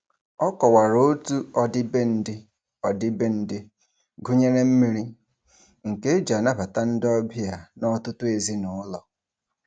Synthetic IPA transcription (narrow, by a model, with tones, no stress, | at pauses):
ɔ˦kɔ˨wa˨ɾo˦tu˦ɔ˦dɪ˦be˦n̩˦dɪ˦ | ɔ˨dɪ˦be˦n̩˦dɪ˦ | ɡʊ˦ɲe˦ɾe˦m̩˦mi˦ɾi˦ | ŋ̩˨ke˦d͡ʒa˨na˦ba˨ta˦n̩˦dɪ˦ɔ˦bɪ˦ja˨nɔ˦tʊ˦tʊ˦e˨zi˦nʊ˨ʊ˦lɔ˨